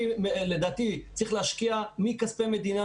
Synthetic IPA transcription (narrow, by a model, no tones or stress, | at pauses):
iled̪aːt̪it͡sʁiχleaʃkiamikaspeme̞d̪ina